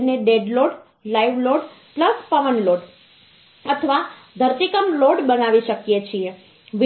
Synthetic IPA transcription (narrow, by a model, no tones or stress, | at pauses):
neɖeɖloɖ | laiʋloɖpləspəʋənloɖ | ət̪ʰəʋad̪ʱəɾt̪ikəmloɖbənaʋiʃəkjet͡ʃʰie | ʋ